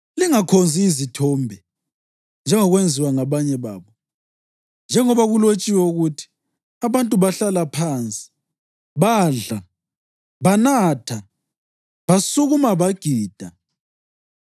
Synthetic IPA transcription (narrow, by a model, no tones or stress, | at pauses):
liŋakʰond͡zʱiːzitʰɔːmbʱɛ | nd͡ʒʱɛŋɔɣwend͡zʱiwaŋaβaɲɛβa̰ːβɔ | nd͡ʒʱɛŋɔβaɣulot͡ʃʼiwɛuɣutʰi̥ | aβantʼuβaɬalapʰaːnt͡sʼi̥ | βaːɮa | βanatʰa | βasuɣumaβaɡ̥ʱiːd̥ʱa